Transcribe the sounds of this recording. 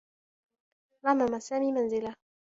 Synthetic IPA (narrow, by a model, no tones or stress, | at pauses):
ɾamamasaːmiːmanzɪla